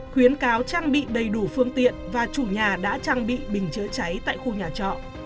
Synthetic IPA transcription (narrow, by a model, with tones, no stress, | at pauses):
xwi˨˦ənkaː˨˦wt͡ɕaː˧ŋɓḭ˧˨ɗə˨˩jɗu˧˩fɨ˧əŋt̪ḭ˧˨ənvaː˨˩t͡ɕu˧˩ɲaː˨˩ɗa̰ː˧˥t͡ɕaː˧ŋɓḭ˧˨ɓï˨˩ŋ̟t͡ɕɨ˨˦t͡ɕa˨˦jt̪a̰ː˧˨jxu˧ɲaː˨˩t͡ɕɔ̰˧˨ʔ